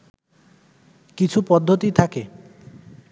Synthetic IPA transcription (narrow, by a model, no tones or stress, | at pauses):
kit͡ɕʰupɔd̪ʱːot̪it̪ʰake